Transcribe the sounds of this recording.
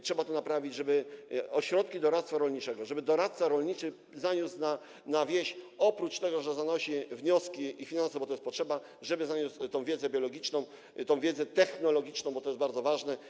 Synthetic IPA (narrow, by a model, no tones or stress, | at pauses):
tʂɛbat̪ɔnapɾavʲid͡ʑʐɛbɘɔɕɾɔt̪kʲid̪ɔɾat̪st̪faɾɔlɲit͡ʂɛɡɔʐɛbɘd̪ɔɾat̪saɾɔlɲit͡ʂɘ | zaɲut̪sna | navʲjɛɕɔpɾut͡ʂt̪ɛɡɔʐɛzanɔɕivɲɔskʲiifʲinansɛbɔt̪ɔjɛst̪pɔtʂɛba | ʐɛbɘzaɲust̪ɔ̃w̃vʲjɛd̪zɛbʲjɔlɔɡʲit͡ʂnɔ̃w̃ | t̪ɔ̃w̃vʲjɛd̪zɛt̪ɛxnɔlɔɡʲit͡ʂnɔ̃w̃bɔt̪ɔjɛsbaɾd̪zɔvaʐnɛ